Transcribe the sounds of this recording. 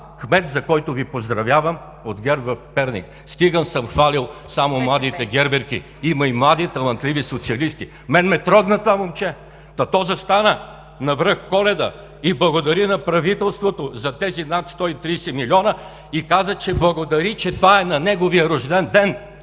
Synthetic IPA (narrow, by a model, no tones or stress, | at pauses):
xmɛt̪zɐkɔjt̪ovipozd̪ɾɐvʲjavəm | od̪ɡʲɛɾvɐfpɛɾnʲḭk | st̪iɡənsəmxvalilˠsamomlˠad̪it̪ɛɡʲɛɾbɛɾkʲi | imɐimlˠad̪it̪ɐvˠɐnt̪lʲivisot̪siɐlist̪i | mɛnmɛt̪ɾɔɡnɐt̪vamomt͡ʃɛ | t̪ɐt̪ɔzəst̪anə | nɐvɾɤxkɔlɛd̪ə̰ | iblˠɐɡod̪ɐɾinɐpɾɐvit̪ɛlˠst̪vot̪ozɐt̪ɛzinat̪st̪ɔit̪ɾijsɛmilʲiɔnə | ikazət͡ʃɛblˠɐɡod̪ɐɾit͡ʃɛt̪vaɛnɐnɛɡoviəɾʊʒd̪ɛnd̪ɛn